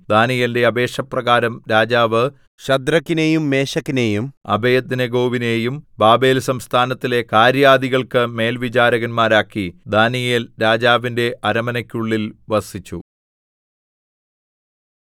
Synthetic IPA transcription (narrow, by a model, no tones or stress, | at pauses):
d̪aːnijende̞ɐbe̞ːʂɐprɐɣaːɾɐmɾaːd͡ʑaːʋɨ | ɕɐd̪rɐkːinejumːe̞ːɕɐkːinejumɐ̰bɐjɐd̪nɐɡo̞ːʋine̞ːjumbaːbe̞ːlsɐmst̪ʰaːnɐt̪ːile̞kaːɾjaːd̪iɣɐɭkɨme̞ːlʋit͡ɕaːɾɐɣɐnmaːɾaːkːid̪aːnijelɾaːd͡ʑaːʋinde̞ʔɐɾɐmɐnɐkʲːuɭːilʋɐsit͡ɕːu